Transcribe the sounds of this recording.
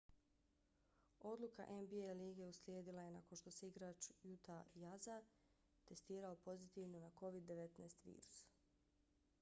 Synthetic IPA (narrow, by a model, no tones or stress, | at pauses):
o̞d̪lˠuka̰ʔe̞nbieliːɡe̞usljeːd̪ilˠaje̞nako̞nʃt̪o̞se̞iɡɾaːt͡ʃjut̪ajaza | t̪e̞st̪iːɾao̞po̞zit̪iʋnonako̞ʋid̪ːe̞ʋe̞t̪neːst̪ʋḭːɾu̥s